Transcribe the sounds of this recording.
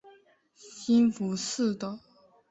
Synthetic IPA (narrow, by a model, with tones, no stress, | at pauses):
ɕi˥nfu˧˥s̩˥˧t̪ɔ˥˩